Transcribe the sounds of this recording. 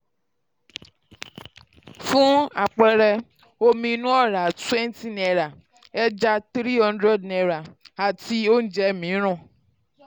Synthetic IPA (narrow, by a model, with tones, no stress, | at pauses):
fũ˦a̰˨k͡pɛ˧ɾɛ˧ | o˧mĩ˧nũ˦ɔ˦˨ɾa˨twɛ̃˦n˦ti˦nɛ˧ɾa˨ | ɛ˦d͡ʒa˦t̪ɾi˦ɦɔ̃˦ndɾɛ˦dnɛ˧ɾa˨a˨ti˧o˦n̩˦d͡ʒɛ˧˨mĩ˨˦ɾ̃ɔ̃˦˨